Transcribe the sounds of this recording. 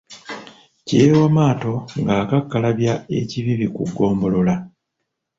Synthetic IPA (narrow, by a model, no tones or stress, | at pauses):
ceːwamaːto̞ŋɡaːkakːalaβjae̞̰ciβiβikṵɡːo̞ːmbo̞lo̞la